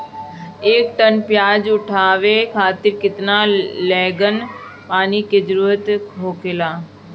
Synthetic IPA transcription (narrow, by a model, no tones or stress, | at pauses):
eːkʈənpjaːd͡ʒʊʈʰaːʋekʰaːt̪ɪɾkɪt̪nalɛːɡən | paːniked͡ʒəɾuːɾət̪ɦoːkelaː